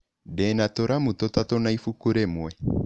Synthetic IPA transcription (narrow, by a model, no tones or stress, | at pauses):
dɛnatɔɾamutɔtatɔnaifukuɾɛmwɛ